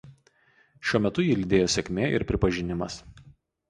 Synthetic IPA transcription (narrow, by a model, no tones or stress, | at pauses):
ʃʲuɔmʲɛt̪ʊjiːlʲɪd̪ʲeːjoːsʲɛkʲmʲeːʔɪ̰ɾpʲɾʲɪpɐʒʲɪnʲɪmɐs